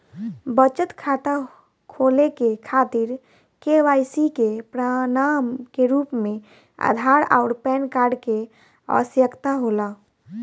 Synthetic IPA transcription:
bət͡ʃət̪kʰaːt̪a | kʰoːlekekʰaːt̪iɾ | keʋaːjsikepɾanamkeɾuːpmẽ | ə̰d̪ʱaɾa̰ʊɾpɛːnkaːɾɖke | ə̰sjəkt̪aɦoːla

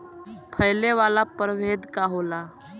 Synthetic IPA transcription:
pʰəjleʋalapəɾʋed̪kaɦola

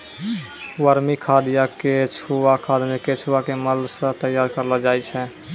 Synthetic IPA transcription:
wəɾmikʰad̪ijaket͡ʃʰuakʰad̪meket͡ʃʰuwakeməlsə̃t̪əjːaːɾkəɾlad͡ʒaːjt͡ʃʰɛ

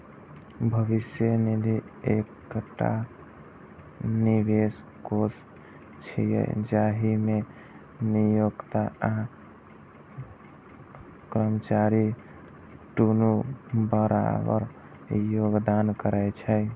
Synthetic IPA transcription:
bʱəʋisjənid̪ʱiek | ʈa̰ | niʋes | kos | t͡ʃʰijɛ̰d͡ʒaɦime | nijoɡt̪aa | kɾəmət͡ʃaɾi | ʈunubəɾa̰bə̰ɾ | joɡd̪ankəɾəjt͡ʃʰɛ

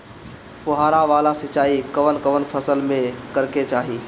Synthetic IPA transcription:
pʊɦaːɾaʋaːlasɪt͡ʃaːikəʋənkəʋənpʰəsəlmẽkəɾket͡ʃaːɦiː

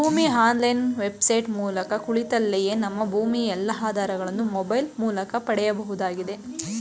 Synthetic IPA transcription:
bʱuːmiɦaːnlɐjnʋe̞bsɐjʈmuːlɐkɐkuɭit̪ɐlːeje̞ːnɐmːɐbʱuːmiɛlːɐɦaːd̪aːɾɐɡɐɭɐnːumɔbɐjlmuːlɐkɐpɐɽɛjɐbɐɦud̪aːɡid̪e̞

